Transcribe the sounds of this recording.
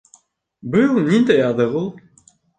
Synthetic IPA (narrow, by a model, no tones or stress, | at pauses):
bɨjunind̪æjɑðɤʁulˠ